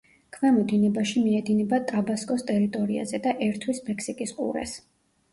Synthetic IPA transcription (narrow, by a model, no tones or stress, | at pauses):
kʰvamɔd̪inɛbaʃimiɛd̪inɛbat̪ʼɾabaskʼɔst̪ʼɛɾit̪ʼɔɾia̰zɛd̪aʔɛɾt̪ʰwismɛkʰsikʼisqʼṵɾɛ̰s